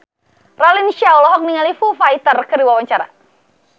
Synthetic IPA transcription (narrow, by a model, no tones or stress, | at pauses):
ralinʃawlɔɦɔk̚niŋalifufajt̪ərkərdiwawaɲt͡ʃaɾa̰